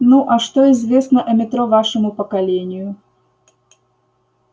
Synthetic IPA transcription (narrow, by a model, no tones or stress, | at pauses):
nuʔɐʂt̪oɪzvʲe̞snəʔɐmʲɪt̪ɾovaʂɨmʊpəkɐlʲenʲɪjʊ